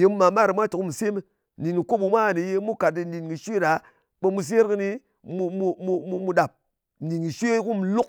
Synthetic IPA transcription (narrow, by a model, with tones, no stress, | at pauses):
je˧mu˦ma˨˦ma˦ɾi˨mʷa˦t͡ʃu˨ku˦mu˨se˦mi˧˨ | i˨ŋki˨ko˦bu˧mʷa˦˨ni˨je˧˦mu˦ka˨tdi˧n̩˦di˨nki˨ʃʷe˦˨ɗa˨˦ | ɓe˧mu˧s̬e˦ɾkɨ˧ni˧ | mu˧mu˧mu˧mu˧mu˧ɗa˨p̩̚˨ | i˨ŋki˨ʃʷe˦ku˦m˨lu˦k̚